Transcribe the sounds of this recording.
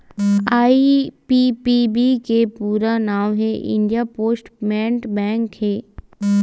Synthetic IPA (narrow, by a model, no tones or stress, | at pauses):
aːipipibikepuːɾanaːʋɦeʔɪ̰̃ɳɖijapoːsʈmɛ̃ːɳʈbɛ̃ːŋkɦɛː